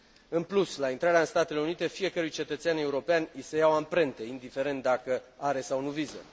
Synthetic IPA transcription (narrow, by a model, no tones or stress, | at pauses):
ɨnpluslaint̪ɾaɾeaɨnst̪at̪e̞le̞unit̪e̞fije̞kəɾujt͡ʃe̞t̪ət̪seane̞uɾo̞peanʲisejawampɾe̞nt̪e̞ind̪ife̞ɾe̞nt̪̚d̪akəaɾe̞sawnuvizə̰